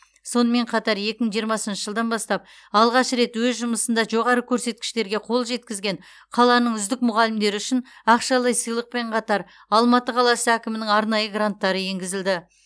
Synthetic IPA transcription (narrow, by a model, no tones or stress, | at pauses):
so̞nəme̞ɴqʰɑt̪ɑɾje̞kʲɪməɴʒijəɾmɑsənʃəʒəlˠd̪ɑnbɑst̪ɑp̚ | ɑlˠʁɑʃɾe̞t̪wɵzʒʊməsənd̪ɑʒo̞ʁɑɾəkʲʰɵɾse̞t̪̚kʲɪ̥ʃt̪e̞ɾɡʲe̞qʰo̞lˠʒe̞t̪̚kʲɪzɡʲe̞n | qʰɑlˠɑnəɴʏzd̪ɪkmʊʁɑlɪmd̪e̞ɾɪʏʃɪnɑqʃɑlˠɑjsəjlˠəq̚pe̞ɴqʰɑt̪ɑɾ | ɑlˠmɑt̪əqʰɑlˠɑsəækʲɪmɪnɪŋɑɾnɑjəɡrant̪ːɑɾəje̞ŋɡʲɪzɪld̪ɪ